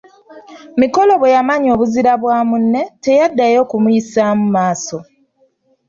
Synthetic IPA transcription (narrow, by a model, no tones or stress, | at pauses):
miko̞lo̞βwejamaɲo̞ːβuziɾaβwaːmunːe̞te̞jadːajo̞ːkumujisamumaːso̞